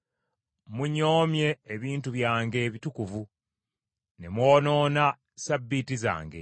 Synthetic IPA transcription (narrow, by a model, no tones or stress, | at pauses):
muɲo̞ːmje̞ːβiːntuβjaːŋɡe̞ːβitukuvu | nemwoːno̞ːna | sabːitiza̰ːŋɡe̞̰